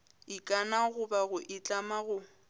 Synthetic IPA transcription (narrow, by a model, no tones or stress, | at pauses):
ɪkʼanaɣʊbaɣʊʔɪt͡ɬʼamaɣʊ